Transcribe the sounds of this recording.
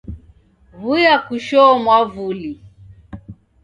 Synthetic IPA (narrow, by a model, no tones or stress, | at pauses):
vujakuʃɔmwavuli